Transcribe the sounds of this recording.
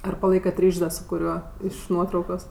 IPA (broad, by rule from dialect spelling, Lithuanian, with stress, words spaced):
ˈɐr pɐˈlˠɐɪkɐt ˈrʲiːʃʲsʲ ˈdɐ sʊ kʊˈrʲuɔ ˈɪʃ ˈnuɔtrɐʊkoːs